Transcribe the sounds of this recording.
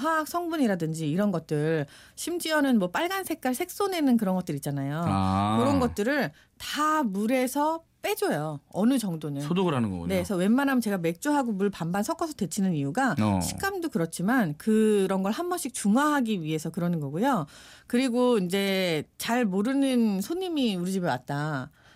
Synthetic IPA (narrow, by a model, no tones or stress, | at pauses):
ɦaksʰʌŋbuɲiɾadɯnd͡ʑiːɾʌnɡʌt̚t͈ɯɭ | ɕʰimd͡ʑiʌnɯnmwʌp͈aɭɡansʰe̞k͈aɭsʰe̞k̚s͈one̞nɯnkɯɾʌnɡʌt͈ɯɾit̚t͡ɕ͈anajokɯɾʌnɡʌt̚t͈ɯɾɯɭ | tamuɾe̞sʰʌp͈e̞d͡ʑʌjʌʌnɯd͡ʑʌŋdonɯnodoɡɯɾanɯnɡʌ̰nesʰʌwe̞mmanamt͡ɕe̞ɡame̞k̚t͡ɕ͈uɦaɡomuɭpambansʰʌk͈ʰʌsʰʌdwe̞t͡ɕʰinɯnijuɡaɕʰi̥k͈amdokɯɾʌt̚t͡ɕʰimankɯɾʌnɡʌɭhambʌɕʰik̚t͡ɕuŋaɦaɡiɥiɦe̞sʰʌkɯɾʌnɯnɡʌɡujokɯɾiɡoind͡ʑe̞t͡ɕaɭmoɾɯnɯnsʰoɲimiuɾɯd͡ʑimjʌwa̰t̚t͈a